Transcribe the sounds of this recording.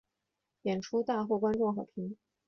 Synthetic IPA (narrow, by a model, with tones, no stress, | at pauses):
jjɛ˨˩nʈ͡ʂʰu˥t̪a˥˧xo˥˩ʊkwa˥nʈ͡ʂʊ˥˩ŋxɑ˨˩ʊpʰi˧˥ŋ